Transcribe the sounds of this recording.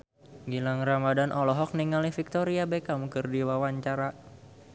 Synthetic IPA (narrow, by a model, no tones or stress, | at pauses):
ɡilaŋɾamadanʔɔlɔɦɔk̚niŋalifik̚t̪ɔɾiabekamukɨrdiwawaɲt͡ʃaɾa